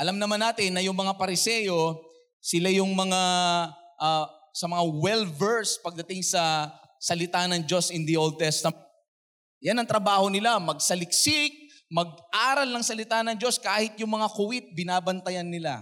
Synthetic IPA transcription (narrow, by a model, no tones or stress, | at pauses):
ʔɐlamnɐmanːaːt̪ɪnːɐjʊŋmɐŋapɐɾɪsɛjo̞ | sɪlajʊŋmɐŋa | ʔasɐmɐŋawɛlvɛɹspɐɡ̚d̪ɐt̪ɪŋsɐ | sɐlɪt̪anɐŋd͡ʒo̞sʔɪnd̪iʔold̪̚t̪ɛst̪ɐ | janɐŋt̪ɾɐbaːho̞nɪlamɐɡ̚sɐlɪk̚sɪk̚ | mɐɡ̚ʔaːɾɐlnɐŋsɐlɪt̪anɐŋd͡ʒo̞skaːhɪt̪̚jʊŋmɐŋakʊwɪt̪̚bɪnaːbɐnt̪ɐjɐnːɪla